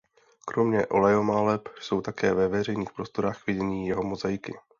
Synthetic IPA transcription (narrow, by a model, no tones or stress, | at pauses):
kɾo̞mɲɛʔo̞lɛjo̞malɛpso̞wt̪akɛːvɛvɛr̝ɛjniːxpɾo̞st̪o̞ɾaːxvɪɟɛɲiːjɛɦo̞mozajɪkɪ̰